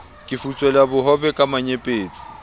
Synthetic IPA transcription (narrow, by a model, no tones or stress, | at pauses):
kʼɪfut͡sʼwɛlabʊɦɔbɛkʼamaɲepʼeːt͡sʼi̥